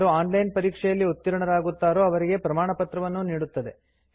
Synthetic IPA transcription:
ɾuaːnlɐjnpɐɾiːkʂɛjɐlːiut̪ːiɾɐɳɐɾaːɡut̪ːaːɾoːɐʋɐɾiɡe̞pɾɐmaːɳɐpɐt̪ɾɐʋɐnːuniːɽut̪ːɐd̪e̞

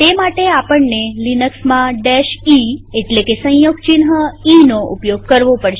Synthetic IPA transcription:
t̪emaʈeapəɳːelinəksmãɖɛʃieʈlekesə̃j̃joɡt͡ʃinɦəinoʔupjoɡ̚kəɾʋopəɽʃe

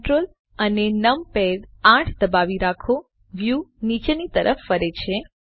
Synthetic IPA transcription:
ʈɾol | ənenəmpedãʈʰd̪əbaʋiɾakʰo | ʋjunit͡ʃenit̪əɾʔəfːəɾet͡ʃʰe

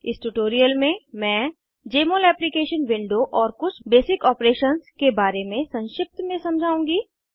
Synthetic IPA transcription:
ɪsʈuʈoːɾijəlmẽmɛ̃ː | d͡ʒeːmoːlɛːplikeːʃənʋɪ̃ɳɖoʔɔːɾkʊt͡ʃʰbeːsɪkɔːpɾeːʃənskebaːɾemẽsɐ̃nʃɪp̚t̪mẽsɐ̃md͡ʒʱaːũːŋɡiː

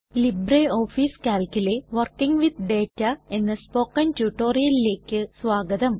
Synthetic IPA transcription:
libreoːfiskʲaːlkʲuleʋɐrkiŋɡʋid̪̚ɖeːtːɐe̞nːɐspoːkɐntuʈːo̞ːɾijɐlile̞ːkʲːɨsʋaːɡɐd̪ɐm

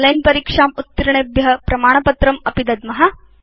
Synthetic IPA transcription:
lɐjnpɐɾiːkʂaːmut̪ːiɾɐɳebjɐɐpɾɐmaːɳɐpɐt̪ɾɐmɐpid̪ɐd̪mɐɦɐ

